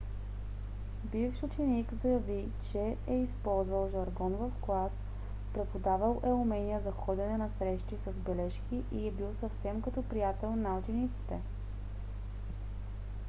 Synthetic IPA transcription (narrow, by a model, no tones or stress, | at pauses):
bifʃʊt͡ʃɛnikzjɐvi | t͡ʃɛɛispɔlˠzvɐlˠʒɐɾɡɔnvɐfɡlˠas | pɾɛpod̪avəlˠʔɛʊmɛnijəzɐxɔd̪ɛnɛnɐsɾɛʃt̪isɐzbɛlɛʃkiʔiɛbilˠsɐfsɛmkɐt̪ɔpɾijat̪ɛlˠnaut͡ʃɛnit̪si̥t̪ɛ